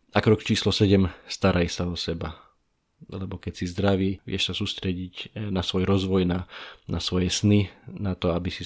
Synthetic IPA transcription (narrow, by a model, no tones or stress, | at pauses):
akɾɔkt͡ʃiːslɔsɛɟɛmst̪aɾʔajsaɔsɛba | lɛbɔkɛcsizd̪ɾaʋiːʋɪɛʃsasuːst̪ɾɛɟiɟnasʋɔjɾɔzʋɔjnanasʋɔjɛsninat̪ɔabisi